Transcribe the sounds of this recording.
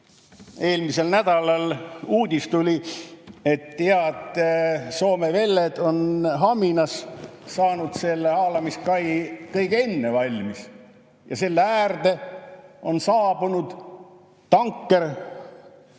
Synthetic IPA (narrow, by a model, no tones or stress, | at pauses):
e̞ːlmise̞lnæd̪̥ɑlɑluːd̪ʲist̪ulʲi | e̞t̪ːeɑd̪so̞ːmeve̞lːed̪̥o̞nɦɑminɑssɑːnud̪̥se̞lːeɑːlɑmiskɑjkɤjɡ̥e̞nːe̞vɑlʲmis | jɑse̞lːeæːrd̪̥e̞ | o̞nsɑːb̥unud̪̥ | t̪ɑŋkːe̞r